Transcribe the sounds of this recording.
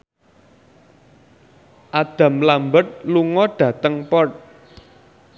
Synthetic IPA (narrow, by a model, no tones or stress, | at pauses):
ʔad̪̥ä̤mlambət̪̚luŋɔɖ̥ä̤t̪əŋpɔt̪̚